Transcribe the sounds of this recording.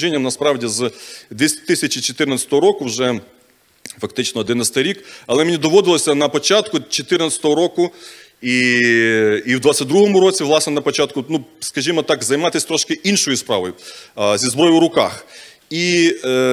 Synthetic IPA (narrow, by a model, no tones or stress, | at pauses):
ʒinʲːɐmnɐspɾɑwdʲizd̪ʋʲisʲt̪ɪsʲɐt͡ʃɪt͡ʃɔt̪ɪrnɐsʲɐ̥t̪ɔɦɔɾɔkʊwʒɛ | fɐk̚t̪ɪt͡ʃnɔɔd̪ɪnɐsʲt̪ɐɾʲikɐlˠɛmenʲid̪ɔʋɔd̪ɪlˠɔsʲɐnɐpɔt͡ʃɑt̪kʊt͡ʃɔt̪ɪrnɐsʲt̪ɔɦɔɾɔkʊ | i | iwd̪ʋɑtt͡sʲɐt̚ʲd̪ɾuɦɔmʊɾɔt͡sʲiʋlˠɑsnɛnɐpɔt͡ʃɑt̪kʊnuskɐʒʲimɔt̪ɑkzɐjmɑt̪ɪsʲt̪ɾɔʃkɪʔinʃɔjʊspɾɑʋɔjʊzʲizbɾɔjʲʊwɾʊkɑx | i